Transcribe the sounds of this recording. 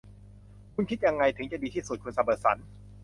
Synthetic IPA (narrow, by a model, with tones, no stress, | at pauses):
kʰu˧nkʰi˦˥t̪̚ja˧ŋːa˧jt̪ʰɯ˩˦ŋt͡ɕa˨˩diː˧t̪ʰiː˥˩su˨˩kʰu˧nsa˧bɤː˨˩sa̰˩˦n